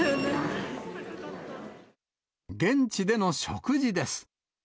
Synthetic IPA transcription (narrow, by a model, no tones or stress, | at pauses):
ɡẽ̞ɲ̟t͡ɕid̪e̞no̞ɕokɯ̟ʑid̪e̞sɨ̥